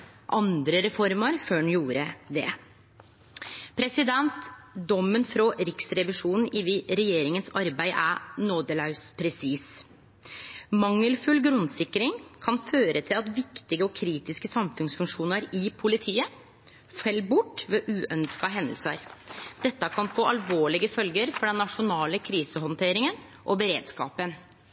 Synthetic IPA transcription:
ʔɑnd̪ɾəɾɛfɔɾmɑɾføːɳjuːɾəd̪ɛ | pʰɾɛsɪd̪ɛnt̪d̪ɔmːənfɾɔɾɪksɾɛʋɪʂuːnn̩ɪʋɪɾɛjeːɾɪŋənsɑɾbæɪʔænoːd̪əlɑʉspʰɾɛsiːs | mɑŋːəlfʉlɡɾʉnsɪkːɾɪŋkʰɑnføːɾʔət̪ʰɪlɑt̪ʋɪkt̪ɪɡəɔkʰɾiːt̪ɪskəsɑmfʉnsfʉŋʂuːnəɾɪpʰʊlɪt̪ʰiːə | fɛlbʊʈːʋeːʔʉːʔœnskɑɦɛnd̪əlsə̰ɾd̪̥ɛt̪ːəkʰɑnfoːʔɑlʋoːɭɪɡəfœlɡəɾfɔɖɛnːɑʂʊnɑːləkʰɾiːsəɦɔnt̪ʰeːɾɪŋən | ʔɔbəɾeːd̪skɑ̰ːpən

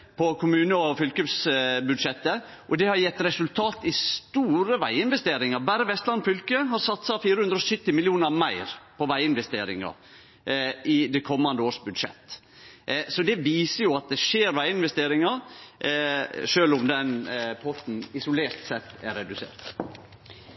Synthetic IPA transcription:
pʰɔkʰʊmʉːnəɔfʏlkʉpsbʉd̪ʂɛt̪ːə | ʔɔd̪ɛhɑɾjɛt̪ːɾɛsʉlt̪ʰɑːt̪ɪst̪uːɾəʋæɪɪnʋɛst̪eːɾɪŋɑɾbæːɾəʋɛst̪lɑnfʏlkəɦɑɾsɑt̪sɑfiːɾəhʉnd̪ɾɔsʏt̪ːɪmɪlɪuːnəɾmæɪɾpʰɔʋæɪɪnʋɛst̪eːɾɪŋɑ̰ɾ | ʔɪd̪ɛkʰɔmːɑnd̪əoːʂbʉd̪ʂɛ̰t̪ː | sɔd̪ɛʋiːsəjʊɑt̪̚d̪ɛʂeːɾʋæɪɪnʋɛst̪eːɾɪŋɑɾ | ʂøːlʊmd̪ɛnpʰɔt̪n̩ɪsʊleːɾt̪sɛt̪ːæɾːɛd̪ʉsḛːɾt̪

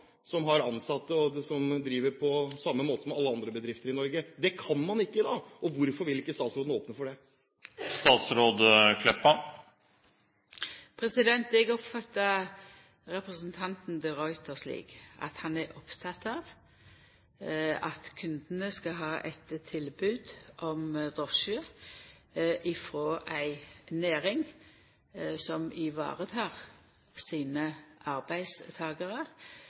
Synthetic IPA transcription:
sɔmɦɑɾɑnsɑt̪ːəɔsɔmd̪ɾiːʋəɾpʰɔsɑmːəmoːt̪əsɔmɑlːəɑnd̪ɾəbəd̪ɾɪft̪əɾɪnɔɾɡəd̪ɛkʰɑnmɑnɪkːəd̪ɑːɔʋʊɾfɔɾʋɪlɪkːəst̪ɑːt̪sɾoːd̪n̩oːpnəfɔɖɛ | st̪ɑːt̪sɾoːd̪kʰlɛpːɑ | pʰɾɛsɪd̪ɛnt̪ɛɡɔpfɑt̪ːɑ | ɾɛpɾəsənt̪ʰɑnt̪n̩d̪ɪɾɔʏt̪ʰəslḭːɡʔɑ̰t̪hɑnɛɾʔɔpt̪ʰɑt̪ɑːʋ | ɑt̪kʰʉnd̪ənəskɑɦɑːʔɛt̪t̪ʰːɪlbʉːd̪ʔɔmd̪ʁɔʃø | ʔɪfʁoːʔæɪneːʁɪŋ | sɔmɪʋɑ̰ːʁət̪ʰɑːʁ | siːnəʔɑʁbæɪd̪st̪ʰɑːɡəʁə

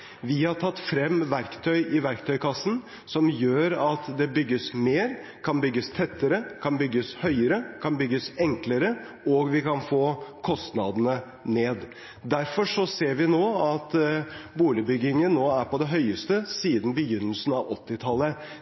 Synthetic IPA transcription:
ʋɪhɑʈʰɑt̪ːfɾɛmːʋæɾkt̪ʰœʏʔɪʋæɾkt̪ʰœʏkʰɑsːn | sɔmjøːɾɑt̪d̪ɛbʏɡːəsmeːɾ | kʰɑnbʏɡːəst̪ʰɛt̪ːəɾəkʰɑnbʏɡːəshœʏəɾəkʰɑnbʏɡːəsɛŋkləɾə | ɔɡʋɪkɑnfoːkʰɔst̪nɑd̪nə | neːd̪ | d̪æɾfɔʂɔseːɾʋɪnoːɑt̪buːlɪbʏɡɪŋənːoːæɾpʰɔd̪ɛɦœʏəst̪əsiːd̪n̩bəjʏnːəlsn̩ɑʋɔt̪ːɪt̪ʰɑlːə

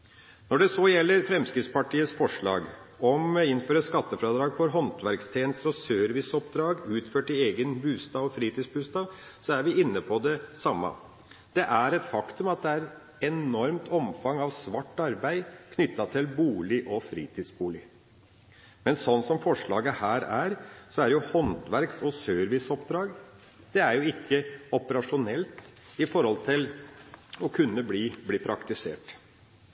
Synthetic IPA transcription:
nɔɖɛsoːjɛlːəɾfɾɛmskɾɪt̪spɑʈiːəsfɔʂɭɑ̰ːɡɔmɪnːføːɾəskɑt̪ːəfɾɑːd̪ɾɑːɡfɔɾɦɔnt̪ʰʋæɾkst̪ʰeːnəst̪əɾɔsøːɾʋɪsɔpd̪ɾɑːɡʉːt̪føːʈɪeːɡənbʉːst̪ɑːʋɔfɾiːt̪iːsbʉːst̪ɑːʋsɔæɾʋɪɪnːəpʰɔd̪ɛsɑmːɑ̰ | d̪̥ɛʔæɾɛt̪fɑkt̪ʉmɑt̪̚d̪ɛæɾ | ɛnɔɾmt̪ʰɔmfɑŋːɑʋsʋɑʈːɑɾbæɪkʰnʏt̪ːɑt̪ʰɪlbuːlɪʔɔfɾḭːt̪ʰiːd̪sbuːlɪ | mɛnsɔnːsɔmfɔʂɭɑ̰ːɡəhæːɾæːɾsɔæɾjʊhɔnt̪ʋæɾksɔsøːɾʋɪsɔpd̪ɾɑːɡ | d̪̥ɛæɾjʊɪkʰːəɔpəɾɑʂʊnɛlt̪ | ɪfɔɾhɔlt̪ʰɪl | ɔkʰʉnːəbliːbliːpʰɾɑkt̪ɪsḛːʈ

